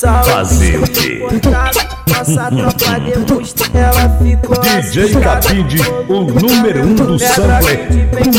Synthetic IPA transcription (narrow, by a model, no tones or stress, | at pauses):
fa̰zḛʊkḛ | d̪id͡ʒejt̪apid͡ʒiʊnũmeɾũd̪ʊsɐ̃ɡlɛ